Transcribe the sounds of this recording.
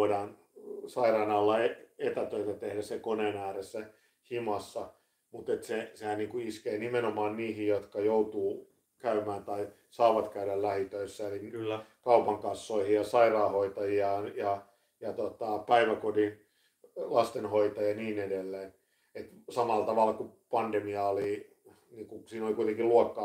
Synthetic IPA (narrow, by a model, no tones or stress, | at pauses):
oidɑːn | sɑirɑːnɑlːɑeet̪æt̪øit̪æt̪ehdæssekoneːnæːresːæ | himɑsːɑ | mut̪et̪sesehæniːŋkuiskeːnimenomɑːnniːhijjot̪kɑjout̪uː | kæymæːnt̪ɑi | sɑːʋɑt̪kæydællæhit̪øisːæelikɑupɑŋkɑsːoihijjɑsɑirɑːhoit̪ɑjiɑjɑ | jɑt̪ot̪ɑpæiʋækodin | lɑst̪enhoit̪ɑjɑniːnedelːeːn | et̪sɑmɑlt̪ɑʋɑlkupɑndemiɑoli | niːkusiːnolikuit̪eŋkiluɑkːɑː